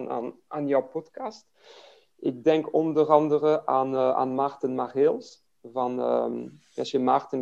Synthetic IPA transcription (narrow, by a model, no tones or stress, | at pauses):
na̰n | aːnjɔwpɔtkɑst | ʔɪɡ̚dɛŋkɔndərɑndərəʔaːna̰ːnmartənmaχɪlˠs | vɑn̰ | ɛ̰sjəmartən